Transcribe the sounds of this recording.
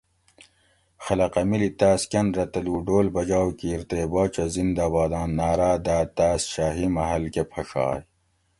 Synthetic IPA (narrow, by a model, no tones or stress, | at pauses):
xɐlɐqɐmilit̪aːskʲɐnɾɐt̪ɐluɖoːlbɐd͡ʑaːwkiɾt̪eːbaːt͡ɕɐzind̪aːbaːd̪ɑːnːaːɾaːd̪aːt̪aːsʃaːɦimɐɦɐlkepʰɐʂɑ̰ːj